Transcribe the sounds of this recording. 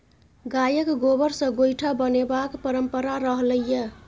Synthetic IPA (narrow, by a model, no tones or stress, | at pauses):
ɡajəkɡobəɾsə̃ɡojʈʰabənebakpəɾəmpəɾaɾəɦləjə